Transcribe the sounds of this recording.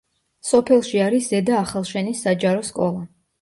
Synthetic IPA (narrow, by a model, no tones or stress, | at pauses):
sɔpʰɛlˠʃiaɾiszɛd̪aːχalˠʃɛnisːad͡ʒaɾɔskʼɔlˠa